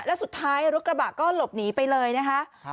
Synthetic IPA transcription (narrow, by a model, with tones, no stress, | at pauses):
lɛː˦˥wsu˨˩t̪ʰːaː˦˥jɾu˦˥kɾa˧ba˨˩kɔː˥˩lo˨˩p̚niː˩˦pa˧jlɤː˧jna˦˥kʰa˦˥ʔ